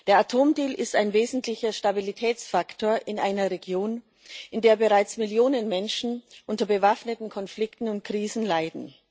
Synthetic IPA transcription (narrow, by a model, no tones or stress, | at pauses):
d̥eːɐʔatʰoːmdiːlɪstaɪnveːzn̩tʰlɪçɐʃtabilitʰɛːt͡sfaktʰoːɐʔɪnʔaɪnɐʁeɡjoːn | ʔɪndeːɐbəʁaɪt͡smɪljoːnənmɛnʃn̩ʔʊntɐbəvafnətn̩kʰɔnflɪktn̩ʊnt̚kʁ̥iːzn̩laɪdn̩